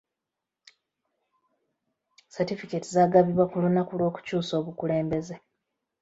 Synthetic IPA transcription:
satifiketizaːɡaβiβwakulunakulwo̞ːku̥cuːso̞ːβukule̞ːmbe̞ze̞

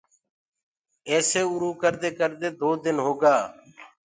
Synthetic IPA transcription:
eːseːʊɾuːkəɾd̪eːkəɾd̪eːd̪oːd̪ɪnɦoːɡaː

